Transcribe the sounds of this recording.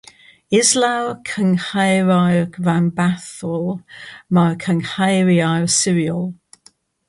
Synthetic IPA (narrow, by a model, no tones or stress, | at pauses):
ɪzlawkʰəŋhaɪɹaɪɹambaθɔlˠmakʰə̃ŋhaɪɹiasɪɹiəlˠ